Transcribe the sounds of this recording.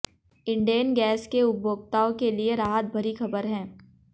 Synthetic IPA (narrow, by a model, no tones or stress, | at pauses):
ɪ̃ɳɖieːnɡɛːskeʊbʱoːɡt̪aːõkelieɾaːɦət̪̚bʱɐɾixɐbəɾɦɛ̃ː